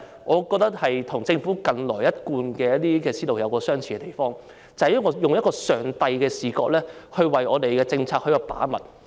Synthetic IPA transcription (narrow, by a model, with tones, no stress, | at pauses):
ʔɔː˨˧kɔː˧k̚t̪ɐ˥k̚hɐ˨jt̪ʰʊ˨˩ŋt͡sɪ˧ŋfuː˨˥kɐ˧nlɔː˨˩jɐ˥t̚kuː˧nkɛː˧jɐ˥t̚t̪iː˥kɛː˧siː˥lo˨wjɐ˨˧wkɔː˧sœː˥ŋt͡sʰiː˨˩ɛ˧t̪e˨˩jfɔː˥ŋ | t͡sɐ˨jːŋɔː˧jʊ˨ŋjɐ˥t̚kɔː˧sœː˨˩ŋt̪ɐ˧jkɛː˧siː˨˩kɔː˧˥k̚lɛː˥hɵ˧ɥwɐ˨jɔː˨˧t̪e˨jkɛː˧t͡sɪ˧ŋt͡sʰaː˧k̚hɵ˧ɥjɔ˧˩pa̰ː˨˥mɐ˨t̚